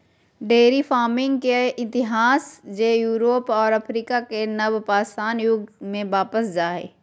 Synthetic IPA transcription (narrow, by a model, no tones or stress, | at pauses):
ɖeːɾifaːɾmɪ̃ŋɡ̚keɪt̪ɪɦaːsd͡ʒeːjuːɾoːpɔːɾɐfʰɾiːkakenɐbpaːsaːnjʊɡmẽʋaːpəsd͡ʒaːɦɛ̰ː